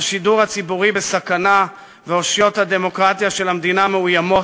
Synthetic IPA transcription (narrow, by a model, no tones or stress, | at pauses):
aʃiduʁhat͡sibuʁibe̞sakana | veo̞ʃjo̞t̪had̪e̞mo̞kʁat̪jaʃe̞lamd̪inameujamo̞